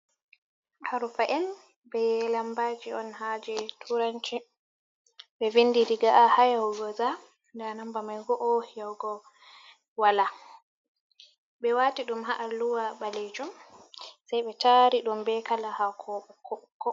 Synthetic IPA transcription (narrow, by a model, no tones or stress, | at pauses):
ʔaɾufaʔɛn | bɛlambaːd͡ʒiɔnhad͡ʒɛtʰuɾaɲt͡ʃi | ɓɛvindiɾiɡaʔahajhɔɡɔza | ndanambamajɡɔʔɔhjawɡɔ | wala | ɓɛwaːtiɗumɦaʔaluwaɓaled͡ʒum | sajɓɛtaɾiɗumbɛkalahakʰɔːɓɔkʰːɔkːɔ